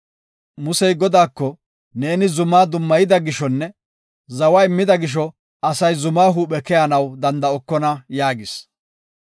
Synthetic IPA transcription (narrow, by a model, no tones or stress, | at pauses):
mʊsɛjɡɔd̪aːkːɔ | ne̞ːnɪzʊmːaːd̪ʊmːɐjɪd̪ɐɡɪʃɔnːɛ | zɐwɐɪmːɪd̪ɐɡɪʃ̬ɔ | ɐsɐjzʊmaːɦuːpɛkɛjanɐwd̪ɐnd̪ɐɔkːɔnɐjaːɡɪs